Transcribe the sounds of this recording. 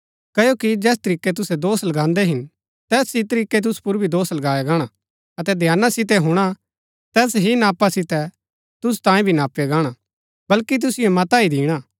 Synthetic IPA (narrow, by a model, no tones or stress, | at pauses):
kɐjokid͡ʒɛːs̬t̪ɐɾiːkːɛt̪̬ʊsɛd̪oːslɐɡãːnd̪ɛɦɪn | t̪ɛːsit̪ɐɾiːkːɛt̪̬ʊspʊɾbʱid̪oːslɐɡaːjaɡaːɽ̃a | ɐt̪ɛd̪ʱjaːnasɪt̪̬ɛɦʊɽ̃a | t̪ɛːsɦinaːpasɪt̪ɛ | t̪ʊs̬u̥t̪ãːĩbʱinaːpːeɡaːɽ̃a | bɐlkit̪̬ʊsɪjomɐt̪aid̪iːɽ̃aː